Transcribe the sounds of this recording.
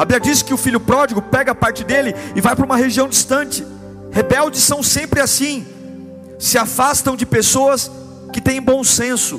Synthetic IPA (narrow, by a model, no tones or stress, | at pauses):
abiɐd͡ʒisɪ̥kɪʊfiljʊpɾɔd͡ʒɪɡʊpɛɡɐapaɾt͡ʃɪd̪elɪɪvajpɾɐũmɐɦeʒiɐ̃w̃d͡ʒist̪ɐ̃t͡ʃɪ̥ | hebɛwd͡ʒɪsːɐ̃w̃sẽmpɾɪasĩ | sɪafast̪ɐ̃w̃d͡ʒɪpesoɐs | kɪt̪ẽj̃bõw̃sẽsʊ